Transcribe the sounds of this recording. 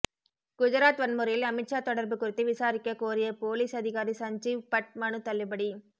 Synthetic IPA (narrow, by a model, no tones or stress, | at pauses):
kʊd͡ʒɐɾaːt̪ʋɐnmʊɾɐjɪlɐmɪʈt͡ʃaːt̪ɔɽɐɾbɯkːʊɾɪt̪ːɯʋɪsaːɾɪkːɐkːoːɾɪjɐpoːliːsɐðɪɣaːɾisɐɲd͡ʒipɐʈ̚mɐnɯt̪ɐlːɪpɐɽi